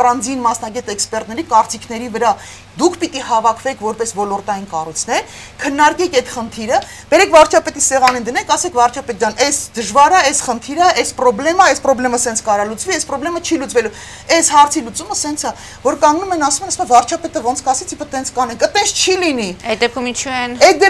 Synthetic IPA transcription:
rɑnd͡zinmɑsnɑɡɛt̪ɛkspɛrt̪̚nɛɾikɑɾt͡sikʰnɛɾivəɾɑ | d̪ukʰpit̪ihɑvɑkʰvɛkʰvɔɾpɛsvɔlɔɾt̪ɑjinkɑrujt͡sʰnɛɾ | kʰənːɑɾkɛkʰɛd̪χənt̪ʰiɾə | b̥ɛɾɛkʰvɑɾt͡ʃʰɑpɛt̪isɛʁɑnind̪ənɛkʰɑsɛkʰvɑɾt͡ʃʰɑpɛt̪̚d̪ɑnʔɛsd̪əʒvɑɾəɛsχənt̪ʰiɾəɛspɾɔblɛməɛspɾɔblɛməsɛnt͡sʰkɑɾɑlut͡sviɛspɾɔblɛmət͡ʃʰilut͡svɛlu | ɛshɑɾt͡sʰilut͡suməsɛnt͡sʰɑ | vɔɾkɑŋɡnumɛnɑsumɛnɑsɛmɛvɑɾt͡ʃʰɑpɛt̪əvɔnt͡sʰkɑsɛt͡sʰifʰət̪ɛnt͡sʰkɑnɛŋkət̪ɛnst͡ʃʰiliniɛd̪ɛp̚kʰumint͡ʃʰuɛnɛt̚d̪ɛ

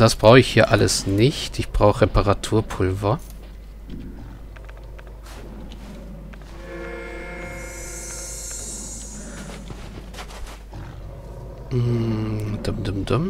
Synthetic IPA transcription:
d̥asb̥ʁaʊxɪçhiːɐʔaləsnɪçtɪçb̥ʁaʊxʁ̥epaʁatʰuːɐpʰʊlvɐ | d̥ʊmdʊmdʊm

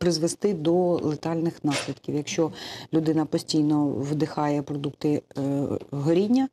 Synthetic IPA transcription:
pɾɪzʋest̪ɪd̪ɔlˠet̪ɑlʲnɪxnɑsʲlʲid̪kʲiwjɐkʃt͡ʃɔlʲʊd̪ɪnɐpɔsʲtʲijnɔʋd̪ɪxɑjɛpɾɔd̪uk̚t̪ɪ | ɦɔɾʲinʲːɐ

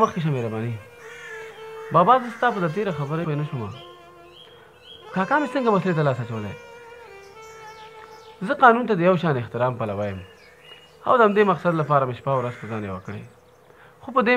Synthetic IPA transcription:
məxkeʃ̬ameɾabɑni | bɑbɑzəst̪ɑpəd̪ət̪̬eɾaxabəɾaenaʃoma̰ | kɑkɑmesəŋɡamasalet̪alɑːsat͡ʃawəlḛ | zəqɑnunt̪̬ad̪əjawʃɑnɪxt̪ɪɾɑmpalawajəm | a̰wd̪əhamd̪emaqsad̪lapɑːɾamɪʃpawɾazpəzɑnjawa̰kəɽḛ | xopəd̪e

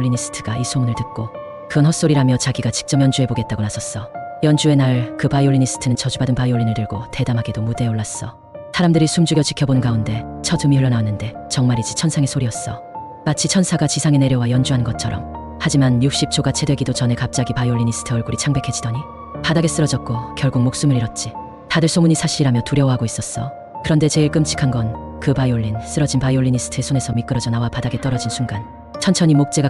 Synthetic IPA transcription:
ʎːinis͈ʰɯ̥tʰɯ̥ɡ̥aisʰomunɯɭtɯt̚k͈o | kɯʌnɦʰʌk̚s͈oɾiɾamjʌt͡ɕaɡiɡat͡ɕi̥k̚t͡ɕ͈ʌmjʌnd͡ʑuɦe̞boɡe̞t̚t͈aɡonasʰʌs͈ʌjʌnd͡ʑue̞naɭkɯpaioʎːinisʰɯ̥tʰɯnɯnt͡ɕʌd͡ʑubadɯnpaioʎːinɯɭtɯɭɡote̞damɦaɡedomude̞oɭːas͈ʌ | sʰaɾamdɯɾisʰumd͡ʑuɡjʌt͡ɕikʰjʌbonnɡaunde̞t͡ɕʰʌtɯmiɯɭːʌnaanːɯnde̞ | t͡ɕʌŋmaɾid͡ʑit͡ɕʰʌnsʰaŋe̞sʰoɾiʌs͈ʌ | mat͡ɕʰit͡ɕʰʌnsʰaɡat͡ɕisʰaŋe̞ne̞ɾjʌwajʌnd͡ʑuɦanɯnɡʌt̚t͡ɕʰʌɾʌ̰m | had͡ʑimanjuk̚ɕ͈ip̚t͡ɕʰoɡat͡ɕʰe̞dwe̞ɡidot͡ɕʌne̞kap̚t͡ɕ͈aɡipaioɭːiɲis͈ʰɯ̥tʰɯʌɭɡuɾit͡ɕʰaŋbe̞kʰe̞d͡ʑidʌɲi | padaɡe̞s͈ɯɾʌd͡ʑʌt̚k͈okjʌɭɡuŋ̚mok̚s͈umɯɾiɾʌt̚t͡ɕ͈i | tadɯɭs͈ʰoŋuɲisʰaɕʰiɾiɾamjʌtuɾjʌwɦaɡois͈ʌs͈ʌ | kɯɾʌnde̞t͡ɕe̞iɭk͈ɯmt͡ɕʰi̥kʰanɡʌn | kɯpaioʎːins͈ɯɾʌd͡ʑinpaioɭːiɲis͈ʰɯ̥tʰesʰone̞sʰʌmik͈ɯɾʌd͡ʑʌnawapadaɡe̞t͈ʌɾʌd͡ʑinsʰuŋɡan | t͡ɕʰʌnt͡ɕʰʌɲimok̚t͡ɕ͈e̞ɡa

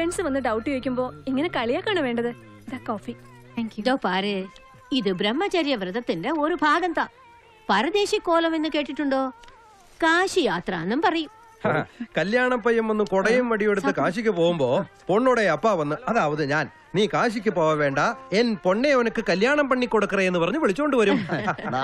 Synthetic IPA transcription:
fensɨʋɐnːɨɖɐwʈːɨʋekʲːumbo̞ːiŋːɐnekɐɭijakːaːɳɨʋe̞ːɳɖɐðɨ | iðɐkoːfi | ŋkjud̪oːpaːɾɨ | iðɨbɾemːɐt͡ɕɐɾjɐʋrɨðɐt̪ːinde̞o̞ɾubʱaːɡɐnt̪ːɐ | pɐɾɐd̪e̞ːɕikːo̞ːlɐme̞nːɨke̞ːʈːiʈːuɳɖo̞ː | kaːɕijaːt̪rɐɐnːɐmpɐrɐjum | kɐljaːɳɐmpɐjɐmonːukoɽɐjumʋɐɽijeɽut̪ːɨkaːɕikʲːɨpo̞ːɣumbo̞ːpo̞ɳːuɽeɐpːaʋɐnːɨɐðaːʋɐðɨɲaːn | niːkaːɕikʲːɨpoːʋɐʋe̞ːɳɖɐe̞npo̞ɳːeonɐkːɨkɐljaːɳɐmpɐɳːikʲːoɽukːɐreenːɨpɐrɐɲːuʋiɭit͡ɕːukoɳɖɨʋɐɾum

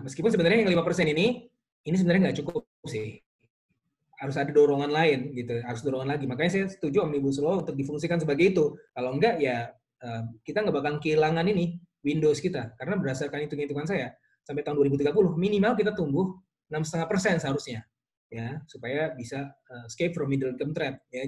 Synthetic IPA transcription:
məskipʊnsəbənaɾrɲajaŋlimapərsɛnini | inis̬əbənarɲaŋɡaʔt͡ʃukʊ | p̚sɪh | haɾʊsadadoɾoŋanlaɪnɡit̪uɦaɾʊsdoɾɔŋanlaɡimakaɲas̬ajast̪ud͡ʒuamnibus̬əloɔunt̪ʊk̚difuŋsikansəbaɡajːt̪ukaloŋɡaʔja | əːmkit̪aŋɡabakaŋkəilaŋanini | windoskit̪akaɾənabərasarkanit̪ukt̪ukans̬aja | samp̬ajt̪aɦʊnduaɾibut̪̬iɡapulʊhminimalk̬it̪at̪uŋbʊh | namsət̪əŋahpərsɛnsɦaɾʊsɲa | jasupajabisaəskep̚fɾɔmːidəlkəmt̪ɾɛt̪̚ja

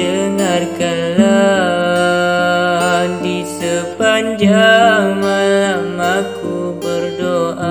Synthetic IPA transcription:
əŋarkala | disəpaɲd͡ʒaŋmalamakubərdoʔʔa

